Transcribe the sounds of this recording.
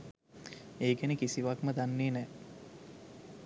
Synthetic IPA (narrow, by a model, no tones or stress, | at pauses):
eːɡænəkisiʋakməd̪anːeːnɛː